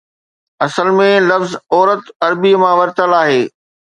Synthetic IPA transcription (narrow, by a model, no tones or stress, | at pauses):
ɐsəlmẽlɐfzɔːɾət̪ɐɾbimãʋɐɾt̪əlaːɦeː